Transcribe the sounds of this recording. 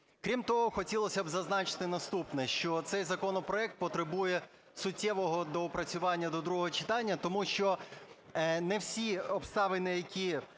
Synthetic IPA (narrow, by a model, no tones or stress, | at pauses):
kɾʲimt̪ɔɦɔxɔtʲilˠɔsʲɐbzɐznɑt͡ʃɪ̥t̪ɪnɐst̪upnɛʃt͡ʃɔt̪sɛjzɐkɔnɔpɾɔɛk̚t̪̚pɔt̪ɾɪbujɛ | sʊtʲːɛʋɔɦɔd̪ɔʊpɾɐt͡sʲʊʋɑnʲːɐd̪ɔd̪ɾuɦɔɦɔt͡ʃɪ̥t̪ɑnʲːɐt̪ɔmuʃt͡ʃɔ | nɛwsʲiɔpst̪ɑʋenɪjɐkʲʰi